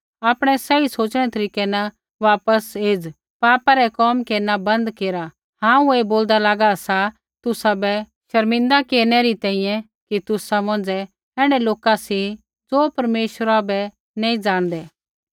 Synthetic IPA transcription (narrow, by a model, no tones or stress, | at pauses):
aːpɽ̃ɛsɛisoːt͡ʃɽ̃ɛt̪ɐɾiːkɛna | ʋaːpəseːd͡z | paːpaɾɛkɔːmkeːɾnabɐ̃nd̪keːɾa | hãːũeːboːld̪alaːɡasa | t̪ʊsabɛ | ʃɐɾmɪ̃nd̪akeːɾnɛɾit̪ɛ̃ːɦĩjɛ̃ | kit̪ʊsamɐ̃nd͡zɛ | ɛːɽ̃ɛloːkasi | d͡zoːpɐɾmeːʃəɾabɛ | neːĩd͡zãːɽ̃d̪ɛː